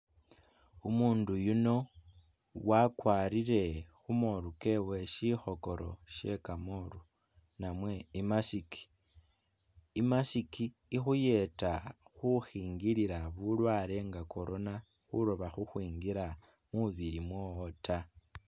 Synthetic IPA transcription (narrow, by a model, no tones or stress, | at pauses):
umuːndujuno̞ | wakwaːɾiɾe̞xumoɾuke̞we̞ʃixo̞ko̞ɾo̞̰ʃe̞kamoɾu | namwe̞imasiki̥ | imasikiː | xuje̞taxuxiːŋɡiɾiɾaβulwaːɾe̞ŋɡakʰo̞ɾo̞na | xuɾoβaxuxwiːŋɡiɾa | muβiɾimwoota